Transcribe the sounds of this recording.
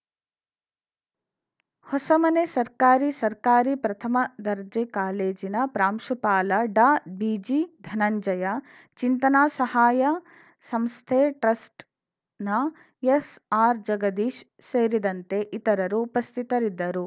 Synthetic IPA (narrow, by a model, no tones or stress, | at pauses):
hɔsɐmɐnesɐɾkaːɾisɐɾkaːɾipɾɐt̪ʰɐmɐd̪ɐɾd͡ʒekaːleːd͡ʒinɐpɾaːmʃupaːlɐɖaːbiːd͡ʒid̪ʱɐnɐɲd͡ʒɐjɐ | t͡ʃint̪ɐnaːsɐhaːjɐ | sɐmst̪ʰeːʈɾɐsʈ | nɐ | esaːɾd͡ʒɐɡɐd̪iːʃ | seːɾid̪ɐnt̪e̞ʔit̪ɐɾɐɾuːpɐst̪ʰit̪ɐɾid̪ːɐɾu